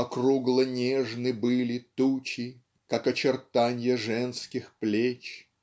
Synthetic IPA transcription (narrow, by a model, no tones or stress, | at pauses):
ɐkruɡlˠənʲeʐnɨbɨlʲɪt̪ut͡ɕɪ | kakɐt͡ɕɪrt̪anʲjəʐɛnskʲɪxplʲet͡ɕ